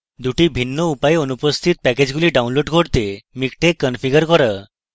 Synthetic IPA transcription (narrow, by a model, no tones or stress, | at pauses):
d̪uʈibʱinːoupajeonupəst̪ʰit̪̚pɛked͡ʑɡuliɖawnloɖkʰoɽt̪emikʈekːənfiɡəɾkɔɾa